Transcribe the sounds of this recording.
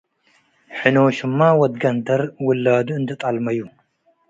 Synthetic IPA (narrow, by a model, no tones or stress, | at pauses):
ħɨnowʃɨmːawɔd̪ɡɐnd̪ɐɾwʊlːad̪uɨnd̪ɐt̪ʼalmɐjːu